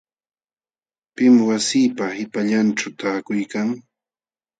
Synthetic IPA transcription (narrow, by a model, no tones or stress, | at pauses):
pɪmwasiːpahɪpaʎanʈ͡ʂawt̪aːkʊjkaŋ